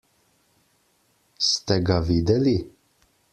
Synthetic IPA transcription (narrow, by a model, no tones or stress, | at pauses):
st̪ɛɡaviːd̪ɛli